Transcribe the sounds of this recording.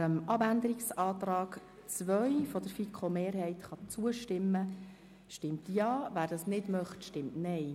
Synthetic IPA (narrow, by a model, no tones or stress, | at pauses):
əmɑbænd̪əɾiksɑːt̪rɑːɡ | t͡sʋœɥfɔd̥̪əɾfikʰχomeːɾɦɛɪt̪χɑt͡suəʃtɪmːə | ʃtɪmt̪jɑːʋæːɾdɑsnɪdmœχtʃtɪmtnɛj